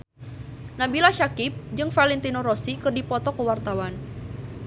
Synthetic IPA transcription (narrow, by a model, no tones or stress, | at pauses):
nabilaʃakip̚d͡ʒɨŋfalɛnt̪inoɾosikɨrdipɔt̪ɔkəwart̪awan